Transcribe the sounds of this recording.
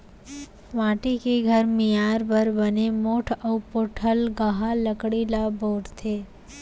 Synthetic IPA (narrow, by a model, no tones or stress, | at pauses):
ʋãːʈikeɡʱəɾmijaɾbəɾbənemoːʈʰəwpoʈʰəlɡəɦaləkɽilaboːʈt̪ʰeː